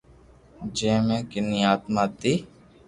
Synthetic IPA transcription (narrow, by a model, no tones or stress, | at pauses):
d͡ʒẽːmẽːkɪniːaːt̪maːt̪iː